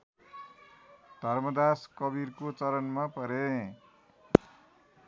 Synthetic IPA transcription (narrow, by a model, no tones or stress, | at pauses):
d̪ʱʌrmʌd̪askʌbirkot͡sʌɾʌnmapʌɾe